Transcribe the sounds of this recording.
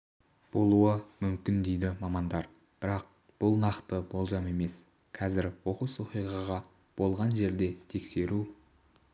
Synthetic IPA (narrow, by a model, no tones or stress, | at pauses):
b̥o̞lˠuəmʏmkʲɪnd̪e̞jd̪ɪmɑmɑnd̪ɑɾ | b̥ɪɾɑq̚ | b̥ʊlˠnɑqt̪əbo̞lˠʒɑme̞me̞s | qʰɑzɪɾwo̞quswo̞qijʁɑʁɑ | b̥o̞lˠʁɑnʒe̞ɾd̪e̞t̪ʰe̞kse̞ɾu